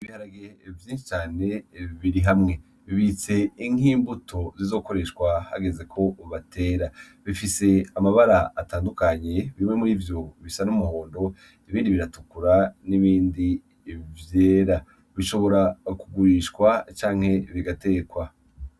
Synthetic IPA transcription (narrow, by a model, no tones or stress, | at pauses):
iβihaɾaɡevjiːnʃi̥t͡ʃaːne̞βiɾiɦamŋe̞ | βiβit͡se̞iŋ̥iːmbutʰo̞zizo̞ːko̞ɾe̞ʃkwaha̰ɡe̞ze̞kʰo̞βatʰe̞ːɾa | βifise̞amaβaɾaːtaːndukaɲe̞βiimŋemuɾivjo̞βisanumuho̞ːndo̞ | iβiːndiβiɾatukuɾaniβiːndi | vjeːɾa | βiʃo̞βo̞ɾakuɡuɾiʃkwat͡ʃaːŋ̥he̞βiɡate̞ːkwa